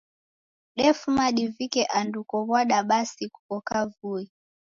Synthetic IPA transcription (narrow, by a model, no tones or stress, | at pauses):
ɗɛfumaɗivikɛʔandukɔβwaɗaɓasiku̥kɔkavui